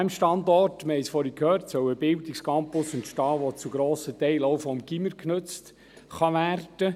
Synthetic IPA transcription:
æmʃtɑndɔrtməhɛɪsfɔɾikʰhøːɾtsœwəb̥ɪldikskɑmpʊsʊntʃtɑːʋɔt͡suɡɾoːsətɛɪlowfɔmɡiməɾknɵt͡st | χɑʋæːrd̥ə

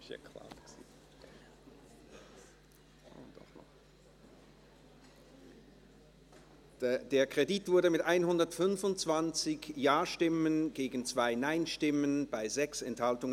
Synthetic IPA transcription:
ɛ̰kʰla̰tsi | andɔ̰χnɔ̰χ | d̥eːɐkʁ̥editv̥ʊɐdəmɪtʔaɪnɦʊndɐtfʏnfʊntt͡sv̥ant͡sɪçjaːɐʃtɪmənɡeːɡn̩t͡sv̥aɪnaɪnʃtɪmənbaɪzɛksɛnthaltʊŋə

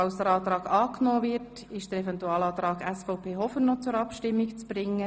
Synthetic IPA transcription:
ɑʊsd̪əɾɑːt̪ɾɑːɡɑːknoːvɪrt | ɪʃd̥əɾɛvɛntuɑːlɑːt̪ɾɑːɡɛsfɔʊpʰeːɦɔfənːɔt͡sʊɾɑpʃtɪmːikt͡sb̥ɾɪŋːə

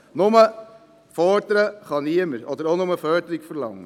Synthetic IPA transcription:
nʊmə | fɔd̪əɾəχɑniəməɾɔd̥̪əɾonʊməfœɾd̪əɾikfəɾlɑŋːə

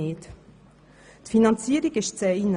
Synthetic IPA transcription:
ɪːt | t̪finɑnt͡siːəɾiɡɪʃt͡sɛin

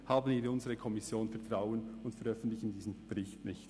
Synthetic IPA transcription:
haːbən̩viːʊnzəʁəkʰɔmɪsjoːnfɛɐtʁ̥aʊənʊntfɛɐʁœfn̩tlɪçn̩diːzn̩b̥ɛʁɪçtnɪçt

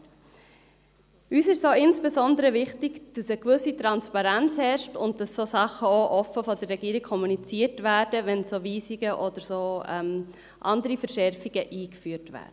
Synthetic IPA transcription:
yːsɪʃsoːɪnsb̥ɛzɔndəɾəʋɪχtɪɡd̥ɑsəkʋɵsitɾɑnspɑɾænt͡shɛɾʃtʊnt̚d̥ɑsːosɑχəoʔɔfəfɔdərːɛɡiːɾik̚kʰːɔmunit͡siːəɾtʋæːɾd̥əʋɛnsoːʋiːsiɡəʔɔd̥əɾsoːɛm | ʔɑndəɾifəɾʃɛɾfiɡ̥əʔiːkfyəɾtʋæ̰ːɾd̥ə

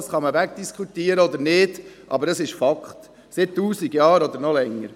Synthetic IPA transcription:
sχɑməʋækd̥iskʰχut̪iːəɾəɔd̪əɾnɪːd̥ʔɑ̰bəɾdɑsɪʃfɑkχt | sɪtːuːsiɡjɑːɾɔd̪əɾnɔlɛŋːə̰ɾ

